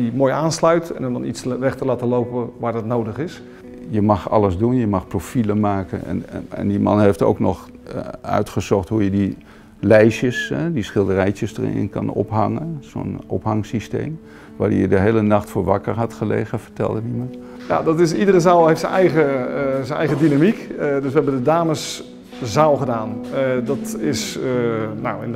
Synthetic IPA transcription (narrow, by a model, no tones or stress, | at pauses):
imoːjaːnslœɥtɛ̰nɔmdɔnitsʋɛχtəlaːtəlowpəʋaːɹdɔtnowdəχɪs | jəmɑχɑ̰ləzdunjəmɑχprofiləmaːkənɛ̰nɛ̰ndimɑ̰nɦejfto̰wknɔχ | œ̰ɥtχəzɔχtɦujədi | lɛjʃjəsɛdisχɪlˠdərɛjt͡ʃəsdə̰rɪ̰nkɑ̰nɔ̰pɦɑŋənzo̰nɔpɦɑŋsistḛjm | ʋaːdɪ̰jədəɦejlənɑχtfoːɹʋɑkəɹɦɑtχəlḛːχəvəɹtɛ̰lˠdədimɑn | na̰dɑtɪsidərəzaːlˠɦejftsənɛjχəzənɛ̰jχədinamikdɵsʋəɦɛbəndədaːməs | zaːlˠχədaːndɑtɪs | nawɪn